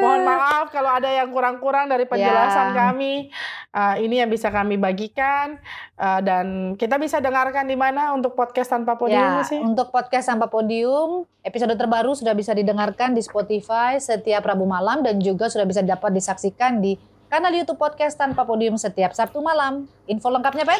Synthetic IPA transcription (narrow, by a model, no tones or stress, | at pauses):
bɔnmaalfkaloadajaŋkuɾaŋkuɾaŋdaɾipəɲjd͡ʒəlasankamiʔəinijaŋbisakamibaɡikanədankit̪abisadəŋarkandimanaunt̪ʊk̚pɔt̪̚kast̪anpapodjiaʊmsɪunt̪ʊk̚pɔt̪̚kast̪ampapodiʊm | episodot̪̬ərbaɾusudahbisadidəŋarkandispot̪ifajsət̪iaprabumalamdand͡ʒuɡasudahbis̬adapat̪̚disaksikandi | kanaljut̪ub̚pːɔd̪̚kast̪anpapodiʊmsət̪iap̚sap̚t̪umalam | infoləŋkap̚ɲapa